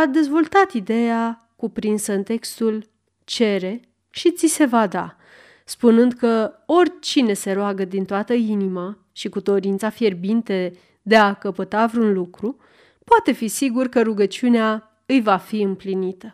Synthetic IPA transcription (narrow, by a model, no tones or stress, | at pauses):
ad̪e̞zvo̞lt̪at̪id̪e̞ja | kupɾinsəɨnt̪e̞kst̪ul | t͡ʃe̞ɾe̞ | ʃit̪sise̞vad̪a̰ | spunɨnd̪kəo̞rʲt͡ʃine̞se̞ɾoaɡəd̪int̪oat̪əinima | ʃikud̪o̞ɾint̪safje̞rbint̪e̞ | d̪e̞akəpət̪avɾeunlukɾu | poat̪e̞fisiɡurkəɾuɡət͡ʃiunea | ɨjvafiɨmplinit̪ə